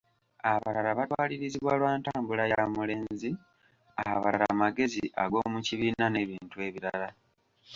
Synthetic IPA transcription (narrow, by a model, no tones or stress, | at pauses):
aβalaɾaβatwaːliɾiziβwalwaːntaːmbulajamule̞ːnnzi | aβaɾa̰maɡe̞ziʔaɡo̞muciβiːnane̞βiːntuwe̞βiɾala